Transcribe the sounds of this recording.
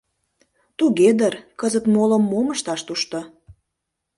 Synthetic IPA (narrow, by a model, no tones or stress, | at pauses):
t̪uɣed̪ərkəzət̪molə̆mːoməʃt̪ɑʃt̪uʃt̪o